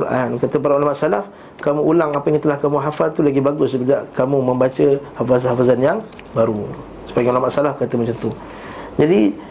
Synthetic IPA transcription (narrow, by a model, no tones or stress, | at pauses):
ɾa̰nkat̪əp̬aɾaulamaʔsalaf | kamũʔulaŋapəjaŋt̪əlahkamũɦafalt̪ulaɡibaɡʊspidaʔkamumə̃mbat͡ʃəhafazhafazanjaŋ | baɾu | sə̥paiŋulamaʔsalafkat̪əməɲt͡ʃant̪u | d͡ʒadi